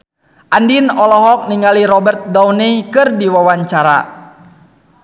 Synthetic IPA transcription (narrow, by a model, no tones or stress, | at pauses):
ʔandinɔlɔɦɔk̚niŋɡaliɾɔbɛrt̪̚daunikɨrdiwawaɲt͡ʃaɾa̰